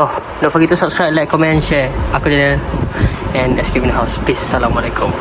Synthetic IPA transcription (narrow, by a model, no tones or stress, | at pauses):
o | nofɔjit̪usap̚skɹaj̚lakɔmɛ̃nʃɛakudinəl | ɛ̃nɛskivĩndəɦaʊsplisːalãmalɛkũm